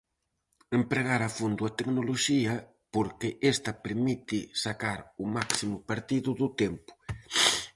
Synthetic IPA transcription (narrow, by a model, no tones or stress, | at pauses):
empɾeɣaɾɐfund̪ʊat̪eknoloʃiɐ | poɾkɪʔest̪ɐpeɾmit̪ɪsakaɾʊmaksimʊpaɾt̪iðʊðʊt̪empʊ̥